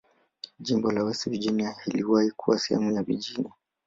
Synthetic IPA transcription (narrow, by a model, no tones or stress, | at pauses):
ʄimbɔlawɛsiviʄiniahiliwahikʰuwasɛhɛ̰mujaviʄinia